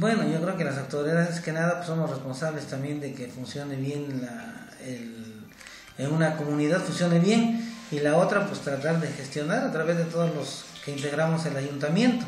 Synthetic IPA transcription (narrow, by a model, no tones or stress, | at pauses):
bwe̞no̞ʝo̞kɾe̞okelas̬awt̪oɾiaðekenaðapwe̥so̞mosrespo̞nsaβlest̪ambje̞nd̪e̞ke̞funsjo̞neβje̞nla | el | eunako̞muniðaðfunsjo̞neβje̞nilao̞t̪ɾapwest̪ɾat̪aɾðe̞xe̞st̪jo̞naɾat̪ɾaβe̞zðet̪o̞ðozlo̞s | ke̞int̪e̞ɣɾamo̞selaʝunt̪amje̞nt̪o